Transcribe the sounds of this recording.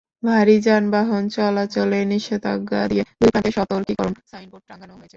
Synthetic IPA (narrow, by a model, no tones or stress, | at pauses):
bʱaɾid͡ʑanbaɦont͡ɕɔlat͡ɕoleniʃed̪a̰ɡad̪ied̪ujpʰãt̪eʃɔt̪oɾkikɔɾonsajnpoʈ̚ʈɾãŋɡanoɦojet͡ɕʰe